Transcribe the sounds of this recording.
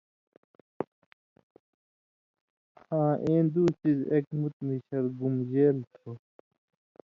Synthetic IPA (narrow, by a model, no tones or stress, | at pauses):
hãːʔẽːnd̪uːsizekmut̪̚miɕɐɾɡumʑeːlt̪ʰo